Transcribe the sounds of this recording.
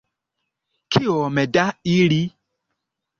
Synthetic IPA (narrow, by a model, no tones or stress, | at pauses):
kʰiɔmɛdaiɾi